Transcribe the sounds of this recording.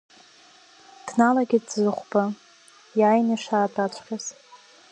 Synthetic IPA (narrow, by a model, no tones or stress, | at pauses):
d̥nalaɡʲɪdzɨχʷba | jajnaʂaːtʼat͡ʃʷʰkʲʰʼaz̥